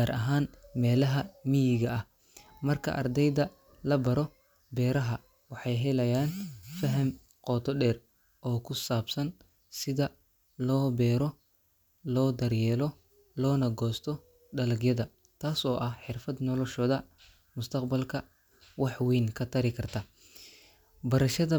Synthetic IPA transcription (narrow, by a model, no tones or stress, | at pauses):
aːɾʔɐɦaːnmɛːlɐɦɐmijɪɣɐɐh | mɐrkʰɐ̰ʔɐ̰rd̪ɛjd̪ɐ | lɐbɐɾɔ | bɛːɾɐɦɐ | wɑħɑjɦɛlɐjaːnfɐɦɐm | qɔːt̪ʰɔɖɛːr | ʔɔːkʰʊsaːbsɐn | sɪðɐ | lɔːbɛːɾɔ | lɔːd̪ɐrjɛːlɔ | lɔːnɐɡɔːst̪ʰɔ | ɖɐlɐɡjɐðɐ | t̪ʰaːsɔːʔɐhħɪrfɐd̪nɔlɔʃɔːðɐ | mʊst̪ʰɐqbɐlkʰɐ | wɑħwiːnkʰɐt̪ʰɐɾɪkʰɐrt̪ʰɐ | bɐɾɐʃɐðɐ